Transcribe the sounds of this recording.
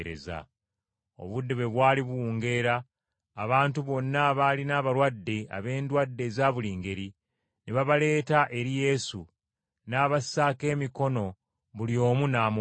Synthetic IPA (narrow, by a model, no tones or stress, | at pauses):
ɾḛza̰ | o̞̰βudːeβe̞βwaːliβuuːŋɡe̞ɾaː | βaːntuβo̞nːaβalinaːβaɾwadːe̞a̰βe̞ːndwadːe̞zaːβuliːŋɡe̞ɾi | neβaβale̞ːtaʔe̞ɾije̞su | naːβasaːke̞ːmiko̞no̞ | βulio̞ːmunaːm